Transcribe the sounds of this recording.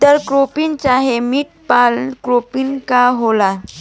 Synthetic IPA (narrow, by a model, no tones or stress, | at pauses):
t̪əɾkɾopint͡ɕaɦemiːʈ̚palkɾopinkaɦola